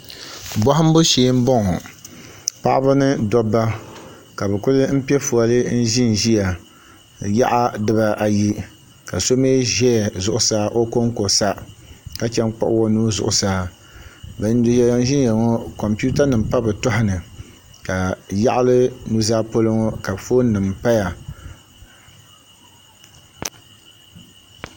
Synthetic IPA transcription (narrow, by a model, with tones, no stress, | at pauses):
bɔ˦ɦʊ˦m˦bo˦ʃeː˨˦m̩˦bɔ˦ŋɔ˨ | pa˦ʔa˦ba˦nɨ˦dɔ˦bːa˦ | ka˨bɨ˨kʊ˦lɨ˦m̩˦pi˦ɛ˦fu˨a˨lɨ˦n̩˦ʒɪ˦n˨ʒi˦a˨ | ja̰˦ʔa˦dɨ˦ba˦ʔa˨ji˦ | ka˨so˦meː˦ʒɛ˦˨zʊ˨ʔʊ˨saː˦ʔo˦ko˦ŋ˦ko˨sa˦ka˦t͡ʃɛ˦ŋ˦k͡pa̰˦ʔʊ˦wɔ˦nuː˦zʊ̰˨ʔʊ˨saː˦ | bɛ˨n˦do˨jɛ˦ja˦n˦ʒɪ˦n˦ja˨ŋɔ˦kɔ˨mpu˦ta˦nɨ˨m˨pa˦bɨ˨tʊ˦hʊ˦nɨ˨ | ka˨ja˦ʔa˦lɨ˦nu˦zaː˦po˦lɨ˦ŋɔ˦ka˨fo˦nɨ˨mpa˦ja˨